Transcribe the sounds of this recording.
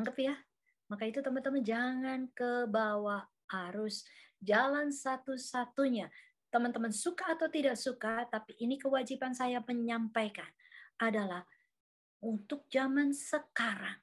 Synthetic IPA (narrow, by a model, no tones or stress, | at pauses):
aŋɡəpja | makait̪ut̪əmənt̪əmənd͡ʒaŋankəbawa | haɾʊsd͡ʒalansat̪usat̪uɲa | t̪əmənt̪əmənsukaːt̪awt̪idaʔsukat̪apiʔːnikəwad͡ʒipansajaməɲampajkanadalah | unt̪ʊk̚d͡ʒamansəkaɾaŋ